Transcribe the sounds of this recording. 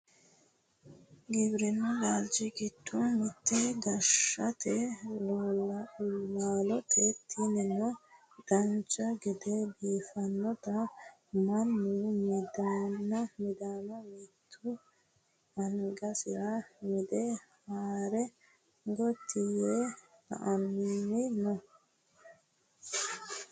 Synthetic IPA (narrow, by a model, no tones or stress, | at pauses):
ɡɪbɾɛnːʊlaːld͡ʒɪɡɪt̪ːumɪt̪ːɛɡ̪ɐʃɐt̪ɛloːllaːlɔt̪ʰɛt̪ʰːinɛnːɔ | d̪̥ɐnt͡ʃɐɡɪd̪ɛbiːfɐnːɔt̪ɐ | mɐnːumɪd̪anɐmɪd̪aːnɐmɪt̪ʰːʊ | ɐŋɡɐsɪɾɐmɪd̪ɛhaːɾɛ | ɡɔt̪ʰːɪje | t̪ɐ̰ʔɐnnːɪnɔ